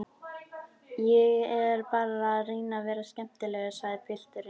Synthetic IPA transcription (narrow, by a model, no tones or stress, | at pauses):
jɛɣɛɾpaːɾaðriːnavɛːɾascɛm̥t̪ɪlɛɣʏsaɣðɪpʰɪl̥t̪ʏɾɪ